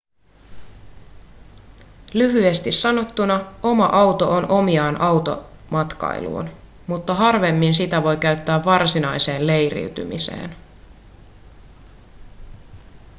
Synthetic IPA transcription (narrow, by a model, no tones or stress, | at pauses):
lyɦye̞st̪isːɑno̞t̪ːunɑo̞mɑʔɑwt̪o̞ʔonʔo̞miɑːnʔɑwt̪o̞̰mɑt̪kɑ̰ij̰lṵːn | mut̪ːɑɦɑrʋe̞mːinsit̪æʋo̞jkæɥt̪ːæːʋːɑrsinɑjse̞ːnle̞jrḭɥt̪y̰mḭsḛːn